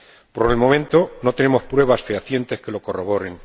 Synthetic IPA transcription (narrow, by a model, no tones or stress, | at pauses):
po̞ɾelmo̞mẽ̞nt̪o̞no̞t̪e̞nemo̞spɾwe̞βasfeaθje̞nt̪e̞ske̞lo̞ko̞ro̞βo̞ɾeŋ